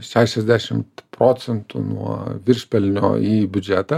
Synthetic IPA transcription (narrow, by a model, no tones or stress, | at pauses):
ʃʲæːʃʲɛzʲd̪ʲæʃʲɪmpɾoːt̪sʲɛnt̪ṵnṵɔ̰ʋʲɪɾʲʃʲpʲɛlʲnʲo̰ːiːbʲʊd͡ʒʲæːt̪ɐ